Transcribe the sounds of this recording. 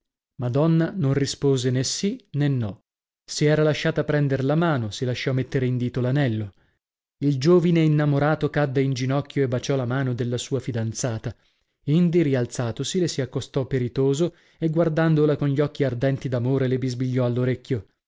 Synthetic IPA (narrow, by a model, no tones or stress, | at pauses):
mad̪ɔnːanonrispoːzenesːinenːɔ | siɛːɾalaʃːaːt̪apɾɛnd̪eɾlamaːnosilaʃːɔmːet̪ːeɾeind̪iːt̪olanɛlːo | ild͡ʒoːvineinːamoɾaːt̪okad̪ːeind͡ʒinɔkːjoebːat͡ʃɔlamaːnod̪elːasuːafid̪ant̪saːt̪a | ind̪iɾialt̪saːt̪osilesiakːost̪ɔpːeɾit̪oːzo | eɡward̪and̪olakonʎiɔkːiard̪ɛnt̪id̪amoːɾelebizbiʎːɔalːoɾekʲːjo